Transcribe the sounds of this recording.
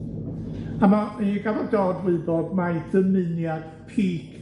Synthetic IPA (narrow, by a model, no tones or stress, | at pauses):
amaɡavadɔːdwɨɨbɔdmajdəmɨnjad̥pʰiːkʰ